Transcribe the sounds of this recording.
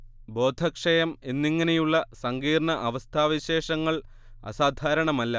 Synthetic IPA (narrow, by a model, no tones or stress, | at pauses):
bo̞ːd̪ʱɐkʂɐjɐmenːiŋːɐnejuɭːɐsɐŋɡiːrɳɐʔɐʋɐst̪ʰaːʋiɕe̞ːʂɐŋːɐɭ | ɐ̰saːd̪ʱaːɾɐɳɐmɐlːɐ